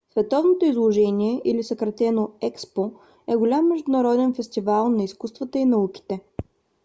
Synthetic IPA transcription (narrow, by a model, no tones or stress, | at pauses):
svɛt̪ɔvnot̪oizlˠoʒɛnʲiɛʔilisəkɾɐt̪ɛnoɛkspo | ɛɡʊlʲamːɛʒd̪ʊnɐɾɔd̪ɛnfɛst̪ivalˠnɐiskust̪vət̪əinɐuki̥t̪ɛ